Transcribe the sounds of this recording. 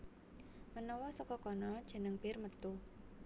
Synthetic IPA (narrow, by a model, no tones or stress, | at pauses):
mənɔwɔsɔkɔkɔnɔd̥ʒ̥ə̤nəŋb̥ɪrmət̪ʊh